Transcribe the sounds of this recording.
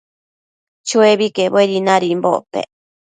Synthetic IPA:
t͡ʃueβikebweɾinaɾimbo̰ʔpḛ

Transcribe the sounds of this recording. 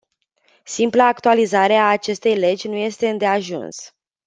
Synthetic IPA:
simpləːkt̪ualizaɾe̞aːt͡ʃe̞st̪e̞jle̞d͡ʒʲnuje̞st̪e̞ɨnd̪e̞aʒṵns

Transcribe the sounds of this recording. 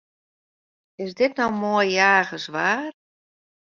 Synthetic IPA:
ɪsdɪtnowmojjaːɣəsʋaːr

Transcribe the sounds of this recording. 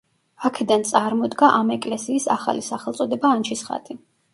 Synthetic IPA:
akʰɛd̪ant̪sʼaɾmɔd̪ɡaʔamɛkʼlɛsiːsa̰χa̰lisaχɛlˠt̪sʼɔd̪ɛbaːnt͡ʃʰisχa̰t̪ʼi

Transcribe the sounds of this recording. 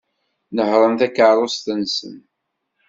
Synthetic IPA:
nəhɾˤənθækːəɾˤost̪nsə̰n

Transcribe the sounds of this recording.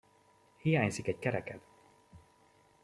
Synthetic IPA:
hijaːɲzikɛɟkɛɾɛkɛt̪

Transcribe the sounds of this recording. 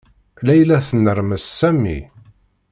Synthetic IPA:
læjlæθənːəɾməsːæmːḭ

